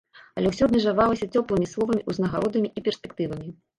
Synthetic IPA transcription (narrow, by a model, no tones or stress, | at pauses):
ɐlʲɛwsʲɔd̪nʲɛʐavalˠɐsʲɐt͡sʲɔplˠɨmʲislˠɔvɐmʲiʔuznɐɣaɾɔd̪ɐmʲiʔipʲɛrsʲpʲɛk̚t̪ɨvɐmʲi